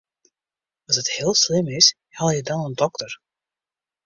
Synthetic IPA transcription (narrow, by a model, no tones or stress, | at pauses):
ɑsəthɪːlˠslɪmɪs | hɛlˠjədɑnəndɔktər